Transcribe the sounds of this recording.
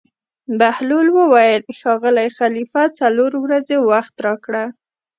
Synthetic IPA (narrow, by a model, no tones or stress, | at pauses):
bahlulwəwajəlxɑɣəlajxalifat͡saloɾwɾazewaxt̪ɾɑkɽa